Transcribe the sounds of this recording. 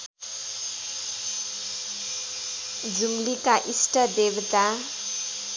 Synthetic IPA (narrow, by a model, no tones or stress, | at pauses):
d͡zumlikaʔisʈʌd̪ebt̪a